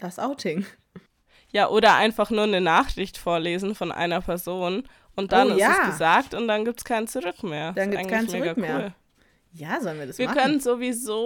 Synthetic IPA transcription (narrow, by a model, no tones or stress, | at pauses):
d̥asʔaʊtʰɪŋ | jaːʔoːɾɐʔa̰ɪnfaχnuːɐnənaːχʁ̥ɪçtfoːɐleːzn̩fɔnʔa̰ɪnɐpʰɛɐzoːn | ʔʊnt̚d̥anɪstːsɡ̥əzaːk̚tʊnt̚d̥anɡiːp̚tskʰaɪnt͡suʁʏkmeːɐdanɡiaɪɡŋkaɪnmeːʁɡakmeːɐːl | jaːzɔlənviɐdasviːɐkʰœnənzovizoː